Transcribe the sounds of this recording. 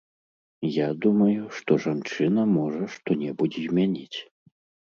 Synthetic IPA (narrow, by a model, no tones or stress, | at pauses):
jad̪umɐjuʂt̪ɔʐant͡ʂɨnɐmɔʐɐʂt̪ɔnʲɛbud͡zʲɛzʲmʲanʲit͡sʲ